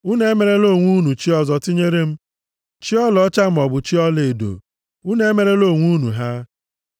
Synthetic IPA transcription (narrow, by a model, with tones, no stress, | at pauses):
u˦ne˦me˨ɾe˦lo˦˨ŋʷu˦nu˨t͡ʃi˦ɔ˦zɔ˨ti˦ɲe˦ɾe˦m̩˦ | t͡ʃi˦ɔ˦lɔ˦t͡ʃa˦m̩˦˨ɔ˨bʊ˨t͡ʃi˦ɔ˦le˨do̰˨ | u˦ne˦me˨ɾe˦lo˦˨ŋʷu˦nu˨ɦa˦